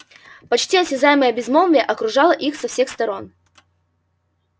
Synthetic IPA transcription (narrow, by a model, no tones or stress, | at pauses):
pɐt͡ɕtʲiɐsʲɪzajɪməjəbʲɪzmovʲɪjəʔɐkɾʊʐɑlˠəʔixsɐfsʲe̞xst̪ɐɾo̞n